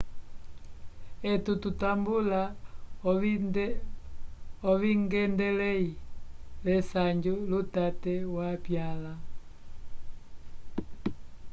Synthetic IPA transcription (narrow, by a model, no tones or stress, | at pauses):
ɛtututambula | ɔβiŋɡɛndɛlɛilɛsaɲd͡ʒulutatɛwapjala